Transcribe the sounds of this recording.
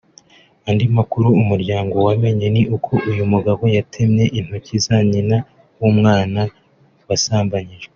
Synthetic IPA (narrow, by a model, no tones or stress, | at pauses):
andimakuɾuːmuɾɟaːŋɡo̞wame̞ɲe̞niʔukʰo̞ʔujumuɡaβo̞jatʰemɲe̞ʔin̥ocizaɲina | wumŋaːna | wasaːmbaɲiʒ